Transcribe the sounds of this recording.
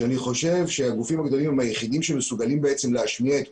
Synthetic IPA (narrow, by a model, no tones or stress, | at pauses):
aniχo̞ʃe̞vʃe̞aɡufimaɡd̪o̞limemhajeχid̪imʃeme̞suɡalimbeet͡se̞mleaʃmiaet̪